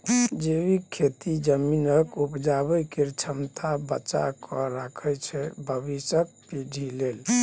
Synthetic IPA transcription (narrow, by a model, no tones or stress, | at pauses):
d͡ʒeʋikʰet̪id͡ʒəminəkupd͡ʒabəjkeɾt͡ʃʰəmt̪ʰabət͡ʃa̰kɔɾakʰɛt͡ʃʰɛbʱəbisək̚piɖʱilel